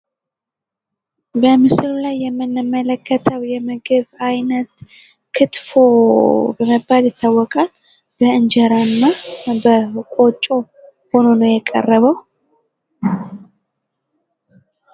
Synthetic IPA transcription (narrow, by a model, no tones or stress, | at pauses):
bəmɨslulajːɛmːɨnːɨmːələkːət̪ʰəwjɛmɨɡɨβajnət̪ | kʰɨt̪fobəməbːaljɪt̪ʰːawːɔkʼal | b̥əɨnd͡ʒəɾanːabəkʼo̞t͡ʃʼːo̞ | ho̞no̞nəwjɛkʼə̰rːəβəw